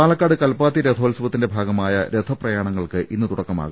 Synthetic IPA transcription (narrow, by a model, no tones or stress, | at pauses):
aːlɐkːaːɽɨkɐlpaːt̪ːiɾed̪ʱʰoːlsuʋɐt̪ːinde̞bʱaːɡɐmaːjɐɾe̞d̪ʰʱɐprɐjaːɳɐŋːɐɭkɨʔʔinːɨt̪uɽɐkːɐma̰ːɣu